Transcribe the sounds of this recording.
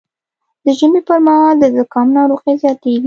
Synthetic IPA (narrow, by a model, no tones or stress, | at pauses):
d̪̥əʒəmepəɾmahɑld̪əzakɑmnɑɾoɣezjɑt̪ewi